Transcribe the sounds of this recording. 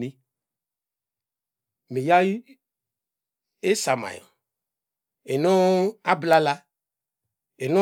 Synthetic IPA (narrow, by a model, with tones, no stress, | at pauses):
ni˦ | mi˨ja˦ | e˦sa˨ma̰˨jɔ̰˨ | e˨no˦a˦bla˦la˦ | e˨no˦